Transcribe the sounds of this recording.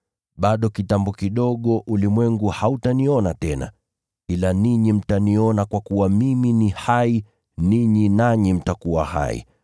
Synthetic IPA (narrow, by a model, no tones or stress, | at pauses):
ɓaɗɔkitambɔkiɗɔɠɔʔulimwɛŋɡuhautaniɔnatɛna̰ | ilaniɲim̩taniɔnakwakuwamiminihai | niɲinaɲim̩takuwaha̰ḭ